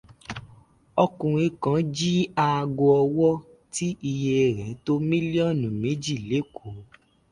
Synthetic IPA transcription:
ɔ˧kũ˨ɾ̃ĩ˧kã˨˦d͡ʒi˦a˧ɡo˧ɔ˧wɔ˦ | ti˦i˧je˧e˧˨ɾɛ̃˨˦to˦mĩ˦li˦ɔ˦˨nũ˨me˨˦d͡ʒi˦˨le˨˦kʰo˨

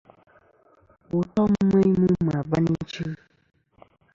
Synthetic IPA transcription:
wo˨tɔ˦m̩˦mẽ˦i˦mũ˦m˨a˨ba˦nĩ˦t͡ʃe˦

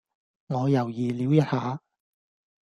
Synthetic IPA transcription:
ŋɔː˨˧jɐ˨˩wjiː˨˩liː˨˥wjɐ˨t̚haː˨˧

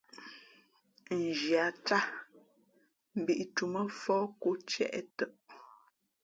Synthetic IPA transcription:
n̩˨d͡ʒja˨t͡ʃa˦ | m̩˨bi˨ʔtu˨mə˦fɔː˦ko˦t͡ʃjɛ̰˦˨ʔɛ˦tə˦˨ʔ

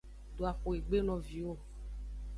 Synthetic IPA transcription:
d̪o˨a˨xo˨e˨ɡ͡be˦nɔ̃˨vi˨wo˦˨

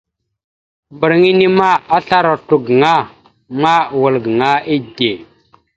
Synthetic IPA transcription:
mbə˨ɾŋi˦ni˦ma˦a˦ɬa˦ɾa˨tu˨ɡŋa˦ | ma˦wu˨lɡə˨ŋa˦i˦de˨

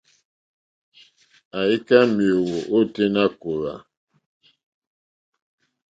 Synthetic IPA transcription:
a˨i˦ka˦mjo˨wo˨ʔo˦te˦na˦ko˨ɾa˨

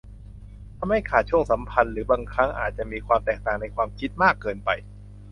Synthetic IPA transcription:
t̪ʰa˧mha˥˩jkʰaː˨˩t̪̚t͡ɕʰu˥˩əŋsa˩˦mpʰa˧nɾɯː˩˦baː˧ŋkʰɾa˦˥ŋʔa̰ː˨˩t̪̚t͡ɕa˨˩ʔmiː˧kʰwaː˧mt̪ɛː˨˩k̚t̪aː˨˩ŋna˧jkʰwaː˧mkʰi˦˥t̪̚maː˥˩kːɤː˧npa˧j

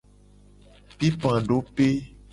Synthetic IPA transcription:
pi˦pã˨ɖo˦pe˦

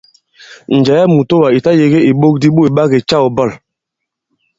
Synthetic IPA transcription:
n̩˨d͡ʒa˨ja˦mu˨to˦wa˨i˨ta˦je˨ɡe˦i˨ɓo˦k̚di˦ɓo˦˨i˨ɓa˦ɡe˨t͡ʃa˦˨o˨bɔ˦˨l

